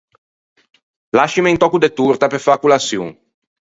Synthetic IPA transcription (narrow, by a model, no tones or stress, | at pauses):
laʃimeint̪ɔkud̪et̪ːuɾt̪apeɾfakulasjṵŋ